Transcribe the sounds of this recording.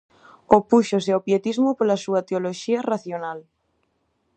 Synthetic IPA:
opuʃoseopjet̪izmʊpolɐsuɐt̪eoloʃiɐraθjonal

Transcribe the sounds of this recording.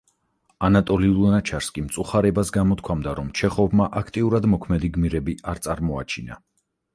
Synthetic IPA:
anat̪ʼɔliulnat͡ʃʰaɾskʼimt̪sʼuχaɾɛbasɡamɔt̪̚kʰwamd̪aɾɔmt͡ʃʰɛχɔvmaʔakʰt̪ʼiuɾad̪mɔkʰmɛd̪iɡmiɾɛbiʔaɾt̪sʼaɾmɔa̰t͡ʃʰina̰

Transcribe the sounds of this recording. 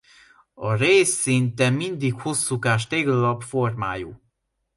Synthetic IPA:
ɒreːsːint̪ɛind̪ikho̞sːukaːʃt̪eːɡɒlɒbfo̞rma̰ːjṵː

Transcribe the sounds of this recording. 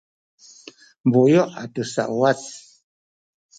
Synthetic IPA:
mbojɔʔatəsa̰ʔwat͡s

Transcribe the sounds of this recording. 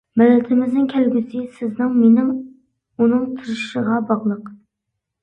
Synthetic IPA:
mɪlːɛt̪ʰɪmɪznɪŋkʲʰælɡʲɪsɪsɪznɪŋmenɪm | unɨŋt̪ʲʰɨɾɨʃɨʁɑbɑʁlˠəq

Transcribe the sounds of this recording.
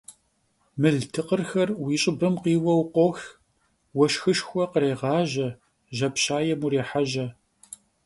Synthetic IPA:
mɨɮtʰɨqərxɐrwiːɕʼɪbɐmqiːwɐwqʷɔx | wɐʃxɨʃxʷɔqəɾeːʁɑːʒɐ | ʒɐpɕaːjɛmureːħaʒɐ

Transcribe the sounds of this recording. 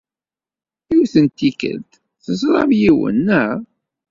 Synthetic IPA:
θiwθənt̪ːikə̰lt̪ | θəzɾˤɑvjiwə̰nːəʁˤ

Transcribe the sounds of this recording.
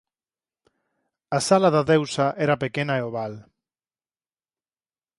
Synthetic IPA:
asalaðaðewsaʔeɾapekenaeoβal

